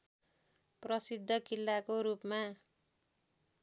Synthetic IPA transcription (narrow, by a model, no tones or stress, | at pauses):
prʌsid̪ʱːʌkilːakoɾupma